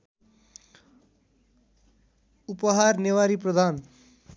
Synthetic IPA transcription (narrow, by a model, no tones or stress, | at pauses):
upʌɦarnewaɾiprʌd̪ʱan